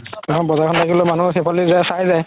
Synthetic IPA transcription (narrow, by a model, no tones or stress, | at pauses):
ɛkʰɔnbɔzaɹkʰɔntʰakiblɔmanusɛpʰalizasajzaj